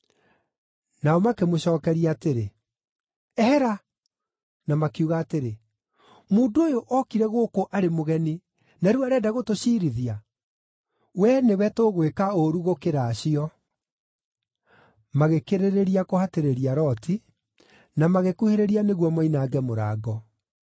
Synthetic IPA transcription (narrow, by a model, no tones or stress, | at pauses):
naɔmakemoɕɔːkɛɾiaːteɾe | ɛhɛɾa | namakiuɣaːteɾe | muːndooːjoʔɔkiɾɛɣokoʔaɾemoɣɛni | nɛɾuwaɾɛːdaɣotoɕiːɾiðia | wɛnewɛtoɣwekaoɾuɣokeɾaːɕiɔ | maɣekeɾeɾeɾiakohateɾeɾiaɾɔtʰi | namaɣekuheɾeɾianeɣwɔmɔinaːɡɛmoɾaːɡɔ